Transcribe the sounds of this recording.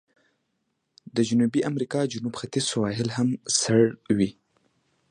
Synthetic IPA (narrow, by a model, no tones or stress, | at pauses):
d̪əd͡ʒʊnubiʔamɾikɑd͡ʒʊnubxat̪izsawɑɦɪlhamsaɽwi